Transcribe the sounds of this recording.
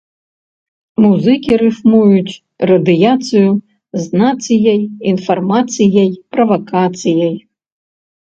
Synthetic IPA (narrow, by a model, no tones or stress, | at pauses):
muzɨkʲiɾɨʂmujut͡sʲ | rɐd̪ɨjat̪sɨju | znat̪sɨjɐjinfɐrmat̪sɨjɐjprɐvɐkʰat̪sɨjɐj